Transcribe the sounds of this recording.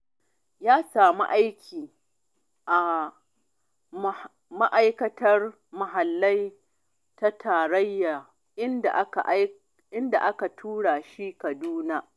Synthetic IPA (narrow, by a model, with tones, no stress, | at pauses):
jaː˦saː˨mṵ˦ʔa˦jkʲʰiː˨ | ʔa˨ | ma˦ʔa˦jkɐ˦tʰɐ˦r | mɐ˨ɦa˨lːɐ˦j | ta˦tʰaː˨ɽɐ˦jːaː˨ | ʔɪ˦nda̰˨ʔka˨ʔ | ʔɪ˦nda̰˨ʔa˦ka˨tʰuː˦ɽaː˨ʃi˦kɐ˨duː˦na˦